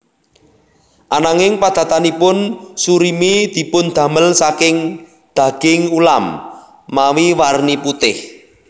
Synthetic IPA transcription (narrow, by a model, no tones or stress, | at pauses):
ʔanaŋɪŋpad̪̥ä̤t̪anipʊnsuɾimid̪̥i̤pʊnd̪̥ä̤məlsakɪŋ | d̪̥ä̤ɡ̥ɪŋulamː | awiwarniput̪ɪh